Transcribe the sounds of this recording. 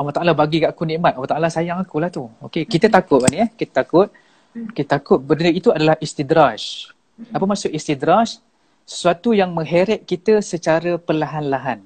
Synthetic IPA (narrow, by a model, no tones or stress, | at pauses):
awaht̪aʔalabaɡikaʔakunĩʔmat̪̚awaht̪aʔalasajaŋakulaht̪uokekit̪ət̪akʊt̪̚baniɛhkit̪ə̥t̪akʊt̪̚ | kit̪ət̪akʊt̪̚bədanəit̪uadalahʔist̪id̪ɾaʃ | apəmasʊʔist̪id̪ɾaʃ | sə̥suat̪ujaŋmə̃ŋɦeɾɛʔ̪̚kit̪əsət͡ʃaɾəpəlaɦanlaɦan